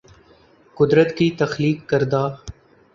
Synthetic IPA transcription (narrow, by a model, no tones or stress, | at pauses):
kʊd̪ɾət̪kit̪ɐxliːkːəɾd̪aː